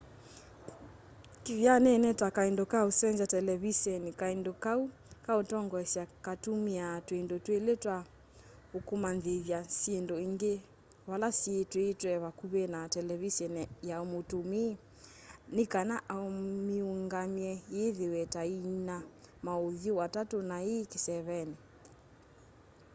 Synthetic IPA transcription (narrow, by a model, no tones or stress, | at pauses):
kivjanɛnɛtwakaindɔkausɛnzatɛlɛβisɛnikaindɔkau | kautɔŋɡɔɛsiakatumiatwendɔtweletwa | okumanðeðjasiendɔiŋɡe | βalasietwetwɛβakuβenatɛlɛβisɔnɛjaomotumiː | nikanaʔaomiuŋɡamjɛjeðewɛtainamaoðjowatatonaekisɛβɛni